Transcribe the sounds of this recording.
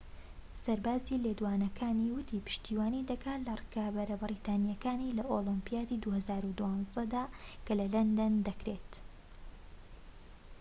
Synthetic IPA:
sɐɾbaːziːled̪uwaːnɐkʰaːniwʊt̪ʰiːpɨ̥ʃt̪iːwaːnid̪ɐkaːt̪lɐrɨkabɐɾɐbɨɾiːt̪aːnijɐkaːniːlɐʔolɨmpijaːd̪id̪uhɐzaːɾud̪uwɑːnzd̪ɐd̪aːkʰɐlɐlɐnd̪ɐnd̪ɐkɾet̪

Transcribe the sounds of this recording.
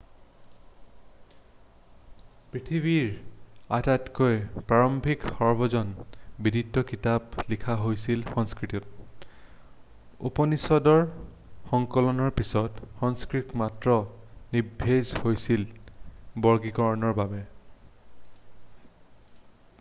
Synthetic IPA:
pɹitʰiβiɹatatkojpɹaɹɔmbʱikhɔɹbɔzɔnbidʱitːɔkitablikʰaɦojsilxɔŋskɹitut̚ | ṵpɔnisɔdɔɹ | xɔŋkɔlɔnɔɹpisɔtxɔŋskɹitmatɹɔnibʱːezhojsil | bɔɹɡikɔɹɔnɔɹbabɛ

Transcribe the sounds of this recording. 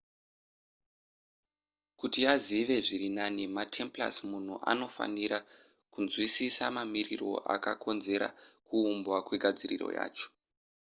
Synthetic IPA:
kutijaziʋe̞ʐiɾinanimatʰe̞mpla̰smun̤uʔa̰no̞fa̰niɾa | kunzwisisamamiriro̞̰ʔa̰kakʰo̞nze̞ɾa̰kuːmbwakwe̞ɡʱad͡zirḭro̞̰ja̰ːt͡ʃo̥

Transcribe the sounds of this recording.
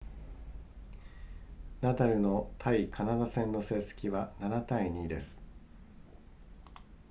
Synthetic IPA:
nat̪aɾɯ̟no̞t̪ʰaikʰanad̪asẽ̞nːo̞se̞ːse̥kʲiβananat̪aiɲ̟iːd̪e̞sɨ̥

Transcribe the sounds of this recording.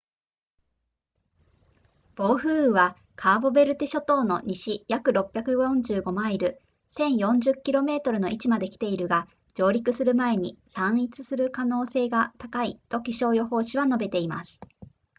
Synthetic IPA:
b̥o̞ːɸɯ̟ːɯβa | kʰaːbo̞be̞ɾɯ̟t̪eɕo̞t̪o̞ːno̞̰ɲ̟ʔiɕijakɯ̟ɾo̞pʲːjakɯ̟jõ̞ɲd͡ʑɨːɡo̞maiɾɯ̟ | sẽ̞ɰ̃jõ̞ɲd͡ʑɨkʲːiɾo̞me̞ːt̪o̞ɾɯ̟no̞ʔit͡ɕimad̪e̞kʲi̥t̪e̞iɾɯ̟ɡa | d͡ʑo̞ːɾʲikɯ̟sɨɾɯ̟mae̞ɲ̟isãɰ̃it͡sɨ̥sɨɾɯ̟kano̞ːse̞ːɡat̪akait̪o̞kʲiɕo̞ːjo̞ho̞ːɕiβano̞be̞t̪e̞ima̰sɨ̥

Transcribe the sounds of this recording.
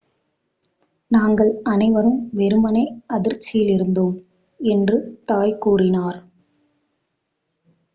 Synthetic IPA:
naːŋɡɐɭɐnɐɪʋɐɾɯmʋɛɾɯmɐnɐɪɐðɪɾt͡ʃːɪjɪlɪɾɯnd̪oːm | ɛndrɯt̪aːjkuːrɪnaːɾ

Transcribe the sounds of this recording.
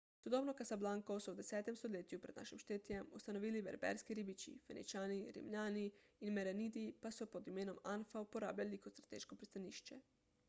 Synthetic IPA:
sud̪obnokasablaŋkosɔwd̪esɛːt̪emst̪oleːt̪jupɾɛd̪na̰ːʃimʃt̪eːt̪ijemust̪anoʋiːlibḛɾbɛ̰ɾskiɾibit͡ʃḭfḛnḭt͡ʃaːniɾḭmʎaːniinmeɾeniːd̪ipasɔpod̪imeːnomanfaupoɾa̰ːblʲalikot̪st̪ɾat̪ḛːʃkopɾist̪aniːʃt͡ʃɛ

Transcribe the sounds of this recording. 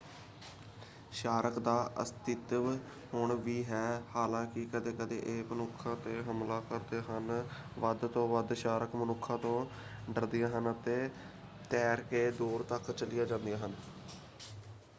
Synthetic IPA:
ʃaːɾəkd̪aːʔə̰st̪ɪt̪ | hoɳʋiːɦɛːhaːlãːkɪkəd̪eːkəd̪ḛːʔeːmənʊkʰːãːt̪eːɦəmlaːkəɾd̪eːɦən | ʋəd̪t̪õːʋəd̪ʃaːɾəkmənʊkʰːãːt̪õː | ɖəɾd̪ɪjãːɦənt̪eː | t̪ɛːɾkeːd̪uːɾt̪əkt͡ʃəlɪjaːd͡ʒãːnd̪ijaːɦən

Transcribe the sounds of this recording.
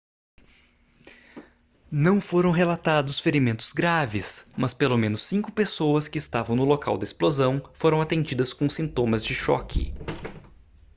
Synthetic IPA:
nɐ̃w̃foɾɐ̃w̃ɦelat̪ad̪ʊsfeɾimẽnt̪ʊ̥z̥ɡɾavɪsmɐspelomẽnʊsːĩkʊpesowɐskɪːst̪avɐ̃w̃nʊloka̰wd̪ɐɪsplozɐ̃w̃foɾɐ̃w̃at̪ẽnd͡ʒid̪ɐskõsĩnt̪õmɐzd͡ʒɪʃɔ̰kʰɪ̰

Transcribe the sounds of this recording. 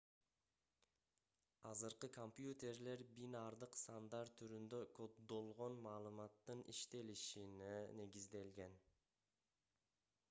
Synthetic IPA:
ɑzɯɾqɯkompjut̪e̞ɾle̞ɾbinɑɾd̪ɯqst̪and̪ɑɾt̪ʰːyɾynd̪ø̞kʰo̞d̪ːo̞lˠʁo̞nmɑːlˠɯmɑt̪ːɯnʔiʃt̪e̞liʃinene̞ɡizd̪e̞lɡe̞n

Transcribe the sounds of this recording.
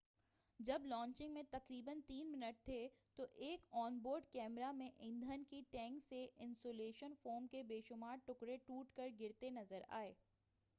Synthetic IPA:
d͡ʒɐblɔ̃ːɲt͡ʃɪ̃ŋɡmẽt̪ɐqɾiːbənt̪iːnmɪnəʈ̚t̪ʰet̪oʔeːkɔːnboːɾɖkɛːmɾamẽʔɪ̃nd̪ʱənkiʈɛ̃ːŋkseʔɪ̃nsoːleːʃənfoːɾmkebeːʃʊmaːɾʈʊkɾeʈuːʈkɐɾɡɪɾt̪enɐzəɾa̰ːeː

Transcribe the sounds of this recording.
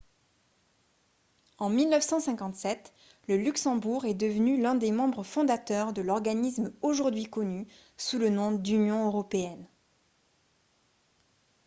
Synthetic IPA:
ɑ̃milnœfsɑ̃sɛ̃kɑ̃t̪sɛt̪ | ləlyksɑ̃buʁɛd̪əvənylɛ̃d̪emɑ̃bʁəfɔ̃d̪at̪œʁd̪əlɔʁɡanismoʒuʁd̪ɥikɔny | sulənɔ̃d̪ynjɔ̃øʁɔpeɛn

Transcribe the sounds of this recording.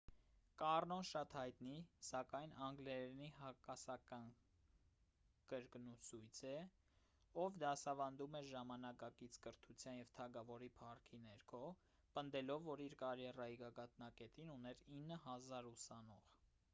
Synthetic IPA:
kɑrnɔnʃɑt̪hɑjt̪nisɑkɑjnɑŋɡlɛniɦɑkɑsɑkɑn | kəɾknusujt͡sʰɛ | ɔvd̪ɑsɑvɑnd̪umɛʒɑmɑnɑkɑkit͡sʰkəɾt̪ʰut͡sʰjɑnjɛvt̪ʰɑɡɑvɔɾipʰɑrkʰinɛɾkʰɔ | pənd̪ɛlɔvːɔɾiɾkɑɾjɛrɑjiɡɑɡɑt̪nɑkɛt̪inunɛɾinːəɦɑzɑɾusɑnɔʁ

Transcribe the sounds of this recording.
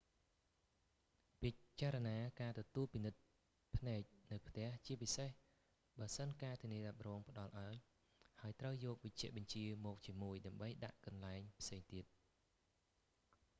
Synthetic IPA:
pit͡ɕaːɾɑnaːkaːt̪ɔt̪uəlpinɨt̪̚ | pʰnaɛc̚nɨwpʰt̪ɛ̆əht͡ɕiəpiseh | ɓaəsənkaːt̪ʰiəniəɗap̚rɔːŋpə̆ɗɑlʔaəŋ | haəjt̪rəwjɔːk̚ʋəc̚t͡ɕɛ̆əʔɓɑɲt͡ɕiəmɔːk̚t͡ɕiəmuəjɗaəmɓəjɗa̰ʔkɑnlaɛŋpʰseːŋt̪iət̪̚

